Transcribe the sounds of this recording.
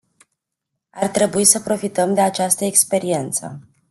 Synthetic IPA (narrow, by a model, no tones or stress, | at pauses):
art̪ɾe̞buisəpɾo̞fit̪əmd̪e̞at͡ʃast̪əekspe̞ɾie̞nt̪sə̰